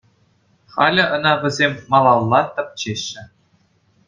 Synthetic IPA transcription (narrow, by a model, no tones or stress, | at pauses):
χɑlʲɘ̆ʔɤ̆nɑʋʲɘ̆zʲemʲmɑlˠɑlˠːɑt̪ɤ̆p̚t͡ɕeɕːɘ̆